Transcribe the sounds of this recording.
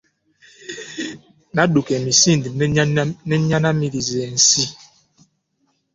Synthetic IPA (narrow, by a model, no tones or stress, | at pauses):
nadukɛmisindinɛɲanamiɾizɛn̩si